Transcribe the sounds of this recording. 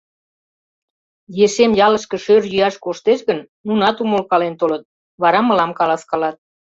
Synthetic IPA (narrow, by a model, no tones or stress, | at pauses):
jeʃemjɑləʃkə̆ʃørjyɑʃkoʃt̪eʃɣənːunɑt̪umolkɑlent̪olət̪̚ | βɑɾɑmə̆lɑmkɑlɑskɑlɑt̪̚